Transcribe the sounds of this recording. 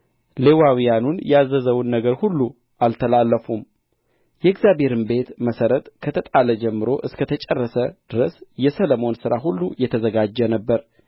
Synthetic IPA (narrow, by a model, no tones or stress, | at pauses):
lewawijanunjɛazːəzəwnːəɡəɾhulːu | ʔalt̪ʰəlalːəfum | jɛɪɡzjabe̞ɾɨnbe̞t̪məsəɾət̪kʰət̪ʰət̪ʼaləd͡ʒɛmːɨɾo̞ʔɨskʰət̪ʰət͡ʃʼɛrːəsəd̪̥ɨɾəsjɛsələmo̞nsɨɾaɦulːujɛt̪ʰəzəɡad͡ʒːɛnəbːəɾ